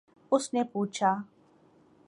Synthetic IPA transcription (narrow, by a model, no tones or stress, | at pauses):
ʊsnepuːt͡ʃʰaː